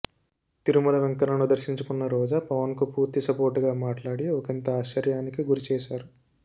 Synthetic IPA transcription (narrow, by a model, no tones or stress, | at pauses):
t̪iɾumulɐʋɐŋkɐɾɐnud̪ɐɾʃiɲt͡ʃukunːɐɾɔːd͡ʒaːpɐʋɐnkupuːɾt̪isɐpo̞ːɾʈuɡaːmaːʈlaːɽiɔkint̪ɐaːt͡ʃːɐɾjaːnikiɡuɾit͡ʃɛːʃaːɾu